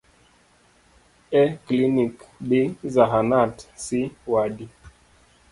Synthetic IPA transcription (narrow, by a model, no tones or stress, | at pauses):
ɛklinikbizaɦanatsiwaɗi